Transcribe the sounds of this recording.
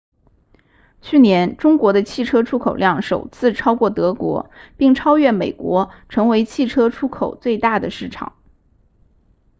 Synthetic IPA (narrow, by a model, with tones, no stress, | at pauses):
t͡ɕʰy˥˩njɛ˧˥nʈ͡ʂʊ˥ŋkwɔ˧˥d̪ə˧t͡ɕʰi˥˩ʈ͡ʂʰɤ˥ʈ͡ʂʰu˥kʰo˨˩ʊljɑ˥˩ŋʂo˨˩ʊt͡sʰɹ̩˥˩ʈ͡ʂʰɑ˥ʊkwɔ˥˩t̪ɤ˧˥kwɔ̰˧˥pi˥˩ŋʈ͡ʂʰɑ˥ʊɥɛ˥˩nme˨˩ɪkwɔ˧˥ʈ͡ʂʰɤ˧˥ŋwe˧˥ɪt͡ɕʰi˥˩ʈ͡ʂʰɤ˥ʈ͡ʂʰu˥kʰo˨˩ʊt͡swe˥˧ɪt̪a˥˩d̪ə˩ʂɻ̩˥˩ʈ͡ʂʰɑ̰˨˩˦ŋ